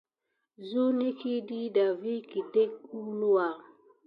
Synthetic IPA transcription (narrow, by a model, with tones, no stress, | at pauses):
zu˦ni˦ki˦di˦da˨vi˦ki˨de˦k̚u˦lu˦wa˨